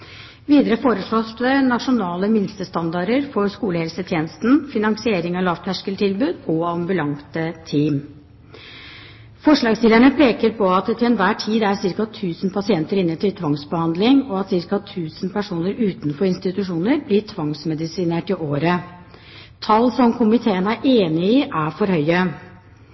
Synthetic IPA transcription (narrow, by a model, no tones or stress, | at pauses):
ʋiːd̪əɾəfoːɾəʂɭoːsənɑʂʊnɑːləmɪnst̪əst̪ɑnd̪ɑɾəɾfɔɾskuːləhɛlsət̪ʰjeːnəst̪n̩fɪnɑŋsɪeːɾɪŋɑlɑʋt̪ʰhæʂkəlt̪ʰɪlbʉːd̪ɔɑmbʉlɑŋt̪ət̪ʰiːm | fɔʂɭɑːɡst̪iləɳəpʰeːkəɾpʰɔɑt̪̚d̪ɛt̪ʰɪlɛnʋæːʈʰiːd̪æɾsɪɾkɑt̪ʰʉːsn̩pʰɑsɪɛnt̪əɾɪnːət̪ʰɪlt̪ʰʋɑŋsbəhɑnd̪lɪŋɔɑt̪sɪɾkɑt̪ʰʉːsənpæʂuːnəɾʉːt̪nfɔɾɪnst̪ɪt̪ʉʂuːnəɾblɪtʰʋɑŋsmɛd̪ɪsiːneːʈɪʔoːɾə | t̪ʰɑlːsɔmkʰʊmɪt̪ʰeːənæɾʔeːnɪɪʔæfɔɾhœʏə